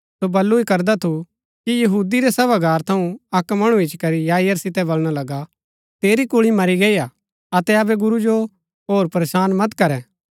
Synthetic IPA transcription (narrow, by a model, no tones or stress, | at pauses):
sobɐlːuikɐɾd̪at̪ʰu | kijɐɦuːd̪iɾɛsɐbaɡaːɾt̪ʰɐũɐkmɐɽ̃ũɪt͡ʃkɐɾijaːjəɾsɪt̪ɛbolɽ̃alɐɡa | t̪eːɾikʊɭimɐɾiɡɐia | ɐt̪ɛɐbɛɡʊɾud͡ʒo | ɦoːɾpɐɾeːʃaːnmɐt̪kɐɾɛː